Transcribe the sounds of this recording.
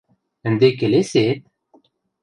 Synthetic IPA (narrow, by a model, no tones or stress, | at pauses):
ɘ̆nd̪ekeleset̪̚